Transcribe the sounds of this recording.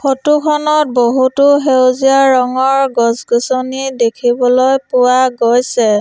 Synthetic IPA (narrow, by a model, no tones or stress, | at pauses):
xotukʰɔnɔt̚boɦutʊɦewziaɹɔŋɔɹɡɔsɡusonidekʰibɔlojpʊwaɡojsɛ